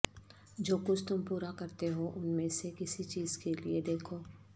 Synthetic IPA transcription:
d͡ʒoːkʊt͡ʃʰt̪ʊmpuːɾakɐɾt̪eɦoʔʊnmẽsekɪsit͡ʃiːz̥kelied̪eːkʰoː

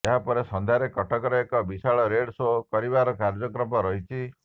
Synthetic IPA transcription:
aɦapɔɾesɔnd̪ʱaɾekɔʈʰɔkɔɾɔekɔbisaɭɔɾeɽsokɔɾibaɾɔkaɾd͡ʒɔkɾɔpɔɾɔɦit͡ʃʰi

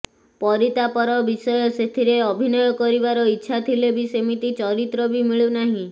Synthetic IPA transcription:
pɔɾit̪apɔɾɔbisɔjɔset̪ʰiɾeɔbʱinɔjɔkɔɾibaɾɔitːʃʰat̪ʰilebisemit̪it͡ʃɔɾit̪ɾɔbimiɭunaɦĩ

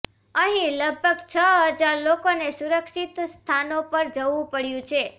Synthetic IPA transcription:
əɦĩləɡ̚bʱəɡt͡ʃʰəɦəd͡ʒaɾlokonesuɾəkʃit̪st̪ʰanopəɾd͡ʒəʋũpəɽjũt͡ʃʰe

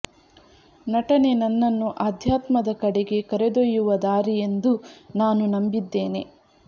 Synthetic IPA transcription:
nɐʈɐne̞nɐnːɐnːuʔaːd̪ʱjaːt̪mɐd̪ɐkɐɽeɡe̞kɐɾed̪ojːuʋɐd̪aːɾije̞nd̪unaːnunɐmbid̪ːe̞ːne

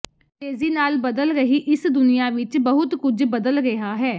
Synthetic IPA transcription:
t̪eːziːnaːlbəd̪əlɾəɦiːʔɪsd̪ʊnijãːʋɪt͡ʃbəɦʊt̪kʊd͡ʒbəd̪əlɾeɦaːɦɛː

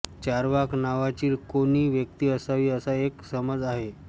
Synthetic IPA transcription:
t͡ɕaɾʋaknaʋat͡ɕiːɾkoniːʋjək̚t̪iːəsaʋiːəsaeksəməd͡zaɦe

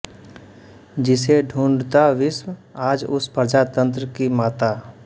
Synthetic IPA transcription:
d͡ʒɪseɖʱũːɳɖt̪aʋɪswaːd͡ʒʊ̰spəɾd͡ʒaːt̪ə̃nt̪ɾəkimaːt̪aː

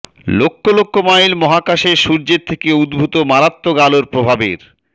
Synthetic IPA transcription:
lokʰːolokʰːomajlmɔɦakaʃeɾʃuɾd͡ʑeɾt̪ʰekeud̪bʱut̪omaɾat̪ːoɡaloɾpɾobʱabeɾ

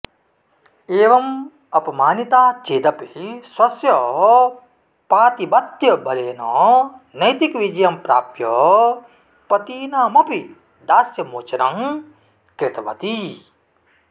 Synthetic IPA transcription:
eːʋɐm | ɐpɐmaːnit̪aːt̪ʰeːd̪ɐpiiswɐsjɐ | paːt̪ibɐt̪jɐbʱɐleːnɔnɐjt̪ikʋid͡ʒjɐmpɾa̰ːp̚t̪jɐ | pɐt̪iːnaːmɐpi | d̪aːsjɐmoːt͡ʃɐnɐŋ | kɾɪt̪ɐʋɐt̪i

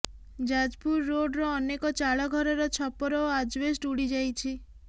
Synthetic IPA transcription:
d͡ʒad͡ʒpuɾːoɖɾɔːnekɔt͡ʃaɭɔɡʱɔɾɔɾɔt͡ʃʰɔpɔɾɔad͡ʒʋesʈuɽid͡ʒajt͡ʃʰi

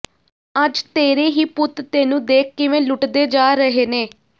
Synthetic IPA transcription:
əd͡ʒt̪eːɾeːɦiːpʊt̪t̪eːnũːd̪eːkːɪʋẽːlʊʈd̪eːd͡ʒaːɾəɦeːneː

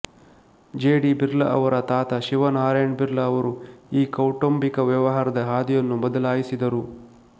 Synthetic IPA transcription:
d͡ʒeːɽibiɾlɐʔɐ̰ʋɐɾɐt̪aːt̪ɐʃiʋɐnɦaːɾeːɳbiɾlɐːʋɐɾuiːkɐwʈombikɐʋjɐʋɐɦaːɾɐd̪ɐɦaːd̪ijɐnːumɔd̪ɐlaːjisid̪ɐɾu

